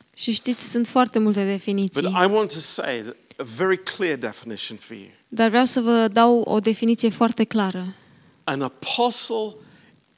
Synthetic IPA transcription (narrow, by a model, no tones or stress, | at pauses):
ʃiʃt̪it̪sʲsunt̪foart̪e̞mult̪e̞d̪e̞finit̪sʌiɾjaɪwɑ̃ntʰɨsḛɪəvɛɹikʰl̥ɪɹdɛfənɪʃn̩fə̰˞jʉ̰ | d̪arvɾeawsəvəd̪awo̰d̪e̞finit̪sijefoart̪e̞klaɾə | ə̃nəpʰɑsl̩ˠ